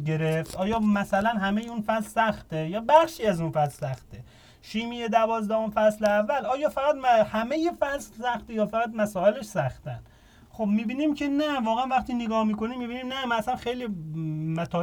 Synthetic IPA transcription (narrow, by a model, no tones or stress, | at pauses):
ɡe̞ɾeft̪ʔɒːjɒːmæsælænɦæmejeunfæslsæxt̪ejɒːbæχʃiːæzunfæslsæxt̪ʰe | ʃiːmijed̪ævɒːzd̪æhomfæsleævːælʔɒːjɒːfæɣæt̪hæme̞jefæssæχt̪ejɒːfæɣæt̪mæsɒːe̞leʃsæxt̪ʰæn | xobmiːbiːniːmcʰe̞nævɒːɣeænvæχt̪iːneɡɒːhmiːko̞niːmːiːbiːniːmnæmæsænxejliːmæt̪ʰɒː